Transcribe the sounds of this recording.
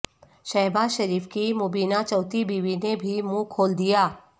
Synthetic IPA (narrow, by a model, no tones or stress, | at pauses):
ʃɐɦbaːzʃɐɾiːfkimʊbiːnat͡ʃɔːt̪ibiːʋinebʱimũkʰoːld̪ijaː